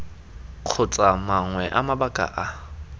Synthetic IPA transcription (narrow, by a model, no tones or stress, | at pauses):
q͡χʰʊt͡sʼamaŋwɛʔamabakʼa̰ʔa